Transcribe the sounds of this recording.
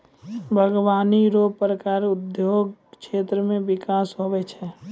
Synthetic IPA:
bʱəɡʋaːniɾopɾəkaːɾʊd̪joɡʃʰeːt̪ɾəmẽbɪkaːsɦobɛt͡ʃʰɛ

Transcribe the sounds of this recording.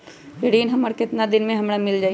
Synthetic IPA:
eɽiːnɦɐməɾkɪt̪nad̪ɪnmẽɦɐmɽamɪld͡ʒaː

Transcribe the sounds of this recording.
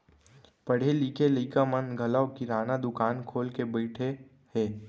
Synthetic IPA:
pɐɽ̤eliːkeliːkamənɡʱɐlaʋkiɾaːnad̪ʊkaːnkʰoːlkebɐɪʈʰe | hɛː

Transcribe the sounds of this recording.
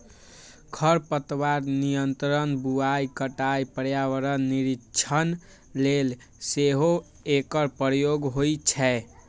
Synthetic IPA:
kʰəɾpət̪waɾnijənt̪ɾənbuajkəʈajpəɾjaʋəɾənːiɾit͡ʃʰən | lel | seɦo | ekəɾpɾəjoɡɦojt͡ʃʰɛ

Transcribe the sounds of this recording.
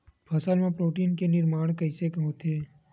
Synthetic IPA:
bʱəsəlmãpɾoːʈiːnkenɪɾmaːɳ̃kəɪsekɦoːt̪eː

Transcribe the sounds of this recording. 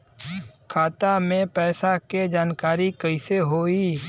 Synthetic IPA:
kʰaːt̪amẽpɛːsaked͡ʒaːnkaːɾikəiseɦoːiː

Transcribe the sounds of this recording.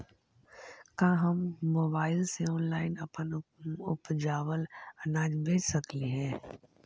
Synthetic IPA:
kãːɦɐmːoːbaːɪlseɔːnlaːɪnɐpənʊ̰pd͡ʒaːwəlɐnaːd͡ʒbeːd͡ʒsɐkliɦɛ̃ː

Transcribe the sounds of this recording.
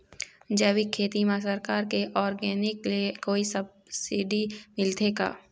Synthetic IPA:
d͡ʒɛːwikʰeːt̪imãsəɾkaːɾkeʔɔːɾɡɛːnɪkliekoːisɐb̚ | siɖimɪlt̪ʰeːɡa̰ː

